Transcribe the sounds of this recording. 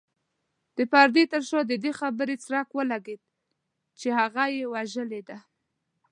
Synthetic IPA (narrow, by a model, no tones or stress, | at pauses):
d̪̥əpaɾd̪et̪əɾʃod̪əd̪exabəɾet͡sɾakwəlaɡed̪̚ | t͡ʃehaɣajewaʒəled̪a